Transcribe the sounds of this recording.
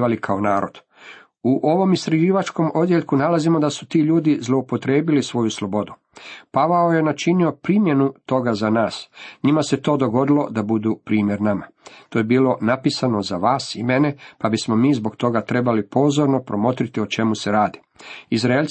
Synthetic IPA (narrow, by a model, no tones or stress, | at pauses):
alikʰaonaːɾo̞̰d̪̥ | uʔo̞ʋo̞mist̪ɾaʒiːʋat͡ʃko̞mo̞d̪jeʎkunalazimod̪asu̥t̪iːʎuːd̪izlˠo̞upo̞t̪ɾe̞ːbilisʋo̞juslˠo̞bo̞d̪u | paʋaoje̞nat͡ʃinio̞pɾimje̞nut̪o̞ɡazanaːsɲimase̞t̪oːd̪o̞ɡo̞d̪ilˠo̞d̪abud̪upɾiːmje̞ɾnama | t̪o̞ːjebiːlo̞napisano̞zaʋaːsime̞ne̞pabismo̞miːzbo̞ɡt̪o̞ɡat̪ɾe̞balipo̞ːzo̞ɾno̞pɾo̞mo̞t̪ɾit̪io̞t͡ʃe̞muse̞ɾaːd̪i | izɾaelʲ